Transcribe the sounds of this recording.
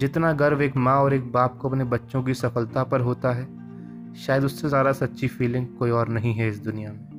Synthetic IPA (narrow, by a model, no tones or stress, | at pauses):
d͡ʒɪt̪naɡɐɾʋeːkmãɔːɾeːk̚baːp̚koɐpnebɐtːʃõk̬isɐfəlt̪apɐɾɦoːt̪aɦɛː | ʃaːjəd̪ʊsːezjaːd̪asɐtːʃʰifiːlɪ̃ŋɡkoːiɔːɾnɐɦĩɦɛɪsd̪ʊnijamẽː